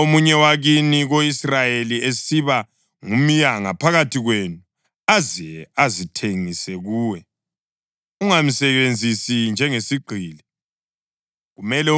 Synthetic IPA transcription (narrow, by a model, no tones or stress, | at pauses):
omuɲɛwaɣiniɣoisrajeliesiβa | ŋumijaŋa̰pʰaɣatʰiɣwenu | aziazitʰeŋisɛɣuːwɛ | uŋam̩sɛβend͡zʱisind͡ʒʱɛŋesiɡ͡ǃʱiːlɛ | ɣumɛlɛ